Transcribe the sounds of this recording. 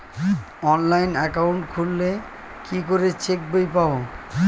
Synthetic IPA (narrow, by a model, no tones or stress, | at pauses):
ɔnlajnɛkawɳʈkʰulːe | kikoɾet͡ɕek̚bejpao